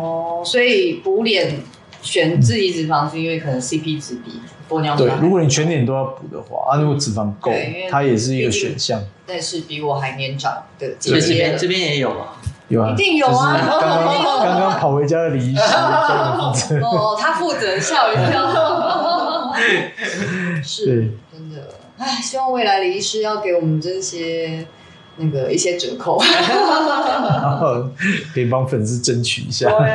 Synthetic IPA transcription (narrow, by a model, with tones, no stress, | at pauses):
ɔ˥˩swɔ˧˥i˨˩pu˧˥ljɛ˨˩˦n | ɕɥɛ˨˩nt͡s̩˥˧i˧˩t͡sɻ̩˨˩fɑ˥ŋʂ̩˥˧i˥˦nwe˥˩ɪkʰɤ˨˩nə˧˦ŋsi˥pʰi˥t͡s̩˨˦pḭ˨˩pu˧˥˨jt̪we˥˩ɪ˥ɻu˧˥kwɔ˨˦ni˨˩t͡ɕʰɥɛ˧˦nt̪jɛ˨˩nt̪̬o˥ʊjɑ˥˩ʊpu˨˩d̪ə̰˦xwa̰˥˩a˥˦nu˧˥ɡo˧˩t͡sɹ̩˨˩fɑ˧˥ŋko˥˨ʊt̪ʰa˦jɛ˨˩ʂ̬ɻ̩˥˩i˧˦˧ɡə˨ɕɥɛ̰˨˩nɕjɑ˥˩ŋna˥˧ɪʂɻ̩˥˩pi˨˥˧wɔ˨˩ɦa˧ɪnjɛ˧˥nʈ͡ʂɑ̰˨˩ŋd̪̥ə˨˩t͡ɕi˥˨ə˥˧pjɛ˥njɛ˧˦jo˨˩ʊa̰˨o˨˩ai˧˨t̪i˥˩ŋjo˨˧˩kɑ˥ŋɑ˥ŋ˥o˨˩kɑ˥ŋkɑ˥ŋpʰɑ˨˩ʊwe˧˥ɪt͡ɕja˥d̪ə˨li˨˥i˥ʂɻa˥˩˧ɔ˥˩t̪ʰa˥fu˥˩t͡sə˨˦ɕjɑ˥˧ʊi˧jɑ˥˨ | ʂɻ̩˥t̪we˥˩ɪʈ͡ʂə˦˥nd̪ə̰˨ | a˥˩ɕi˥wɑ˥˧ŋwe˥˩ɪla˧˥ɪli˧˦i˥ʂɻ̩˥˧jɑ˥˩ʊke˧˥ɪwɔ˨˩mə˨˦nʈ͡ʂə˥˧i˥˩ɕjɛ˥ | na˥˩ɡə˩i˥˩ɕjɛ˥ʈ͡ʂə˨˩˦kʰo˥˩ʊ | kʰə˥i˨˩pɑ˦˥ŋfə˨˩ns̩˥˧ʈ͡ʂə˦nt͡ɕʰy̰˨˩ḭ˦ɕja̰˥˨